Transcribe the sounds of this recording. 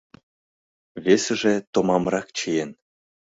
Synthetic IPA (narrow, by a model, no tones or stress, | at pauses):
βesɘ̆ʒĕt̪ŏmɑmrɑkt͡ɕəjen